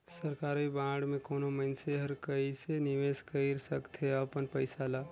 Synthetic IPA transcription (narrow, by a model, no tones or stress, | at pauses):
səɾkaɾibãɽmekonoməɪnseɦəɾkəiseniʋeskəɪɾsəkt̪ʰeəpənpəɪsala